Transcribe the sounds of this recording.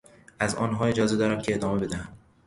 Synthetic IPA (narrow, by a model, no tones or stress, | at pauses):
ʔæzɒ̰ːnɦɒːe̞d͡ʒɒːze̞d̪ɒːɾæmcʰeːd̪ɒːmebe̞d̪æhæm